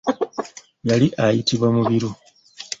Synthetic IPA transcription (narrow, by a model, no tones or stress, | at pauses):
jaliʔajitiβwamuβiɾu